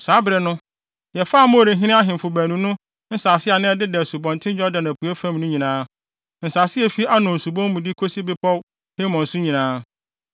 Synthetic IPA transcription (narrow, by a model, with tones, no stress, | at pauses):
saː˨˦bɪ˨ɾɛ˨nʊ̃˦ | jɛ˨faː˦˨mʊ̃˦˨ɾe˨˦ɦɪ̃˦ɪ̃˦a˦ɦɪ̃˨m˨fʊ˨bæ˨nũ˨nʊ̃˦ | n̩˦saː˨sɪ˦a˨nɪ̃˦ɛ˦dɪ˦dɛ˨su˨bɔ̃˨ntʰɪ̃˦d͡ʑᶣɔ˦da˨nã˨pʰu˨æ˦fã˦mnʊ̃˦ɲĩ˨nãː˦ | n̩˨saː˨sɪ˦ɛ˦fi˦a˦nʊ̃˨n̩˨su˨bɔ̃˦m˦mũ˨dɪ˦kʰo˦si˦bɪ˦pʰɔ˦w | he˦mɔ̃˨n˨sʊ˦ɲĩ˨nãː˦